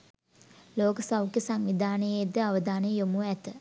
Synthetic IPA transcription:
loːkəsawkjəsaŋʋid̪ʱaːnəjed̪əaʋəd̪ʱaːnəjjomuæt̪ə

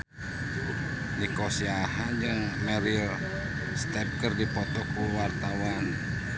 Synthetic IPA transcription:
nikɔsiaɦad͡ʒɨŋmɛɾil | st̪ɛp̚kərdipɔt̪ɔkuwart̪awan

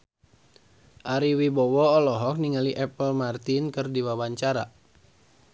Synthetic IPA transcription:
ʔaɾiwibɔwɔɔlɔɦɔk̚niŋaliʔɛpəlmart̪inkɨrdiwawaɲt͡ʃaɾa

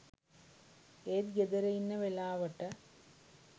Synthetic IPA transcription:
eːd̪ɡed̪ɐɾɐjinːɐʋelaːʋɐʈːɐ

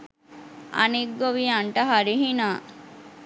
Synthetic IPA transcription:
a̰niɡːoʋiaɳʈəɦaɾiɦinaː

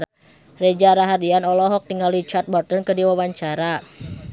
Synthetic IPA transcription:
red͡ʒaɾaɦardianɔlɔɦɔk̚t̪iŋalit͡ʃart̪̚bɔrt̪ɔnkədiwawaɲt͡ʃaɾa

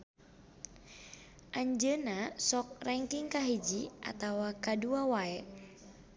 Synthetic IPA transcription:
ʔaɲd͡ʒənasɔk̚rɛŋkiŋkaɦid͡ʒiʔa̰t̪awakaduawaɛʔ

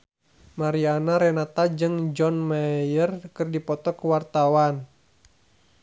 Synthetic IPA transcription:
maɾianaɾɛnat̪ad͡ʒɨŋd͡ʒɔnmajərkɨrdipɔt̪ɔkəwart̪awan

